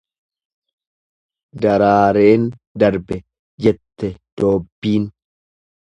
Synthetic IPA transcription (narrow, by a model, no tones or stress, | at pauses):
d̪ɐɾaːɾeːnd̪ɐɾbɛ | d͡ʒɛt̪ːɛd̪̥oːbːiːn